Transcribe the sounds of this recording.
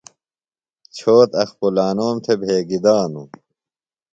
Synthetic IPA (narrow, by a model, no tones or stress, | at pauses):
t͡ɕʰoːt̪ɐxpulaːnoːmt̪ʰebʱeːɡid̪aːnṵ